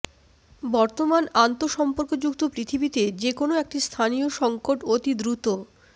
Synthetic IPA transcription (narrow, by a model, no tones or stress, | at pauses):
bɔɾt̪omanant̪oʃɔmpoɾkod͡ʑukt̪opɾit̪ʰibit̪ed͡ʑekonoek̚ʈist̪ʰanijoʃɔŋkoʈot̪id̪ɾut̪o